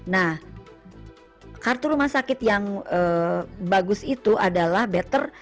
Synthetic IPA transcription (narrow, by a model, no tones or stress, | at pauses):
nah | kart̪uɾumahsakɪt̪jaŋəbaɡʊsit̪uʔadalahbɛt̪ər